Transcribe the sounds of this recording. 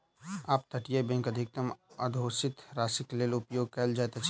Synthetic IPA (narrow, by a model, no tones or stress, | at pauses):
apt̪əʈijəbẽŋkəd̪ʱik̚t̪əmə̰d̪ʱosit̪ɾasikelelupjoɡ̚kɛld͡ʒajt̪at͡ʃʰ